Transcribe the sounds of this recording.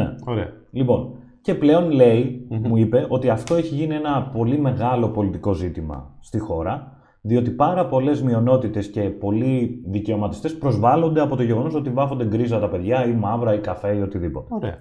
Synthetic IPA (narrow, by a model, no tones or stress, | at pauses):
ḛoɾe | lipo̞n | ce̞ple̞o̞nle̞imuipe̞ʔo̞t̪iɐft̪o̞eçiʝinie̞nɐpo̞lime̞ɣɐlo̞po̞lit̪iko̞zit̪imɐ̰st̪ixo̞ɾɐ | ðio̞t̪ipɐɾɐpo̞le̞zmio̞no̞t̪it̪e̞sce̞po̞liðice̞o̞mɐt̪i̥st̪e̞spɾo̞zvɐlo̞nd̪eɐpot̪o̞ʝe̞ɣo̞no̞so̞t̪ivɐfond̪e̞ɡɾizɐt̪ɐpe̞ðʝɐimɐvɾɐikɐfe̞io̞t̪iðipo̞t̪eɾḛɐ